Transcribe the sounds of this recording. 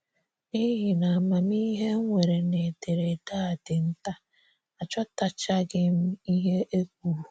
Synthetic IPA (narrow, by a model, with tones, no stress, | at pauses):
ni˦ɦi˨na˨ma˨mi˦ɦe˦ŋʷe˨ɾe˨ne˨te˨ɾe˨ta˦˨dɪ˨n̩˦ta˦ | a˨t͡ʃɔ˦ta˨t͡ʃa˦ɡɪ˦m̩˦i˦ɦe˦ʔe˦k̚ʷu˦˨ɾu˨